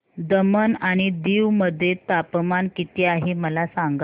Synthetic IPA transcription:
d̪əmənaɽ̃id̪iːʋməd̪ʱːjet̪apmankit̪iaɦeməlasaŋɡa

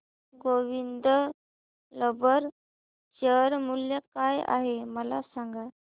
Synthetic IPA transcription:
ɡoʋind̪ə | ləbəɾ | ɕəɾmuljakaja̰ɦeməlasaŋɡa

